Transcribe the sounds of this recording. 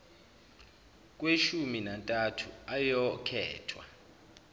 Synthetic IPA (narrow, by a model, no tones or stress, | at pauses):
k̬ʼweʃuminantʼatʰuajɔkʰɛ̰ːtʰwa̰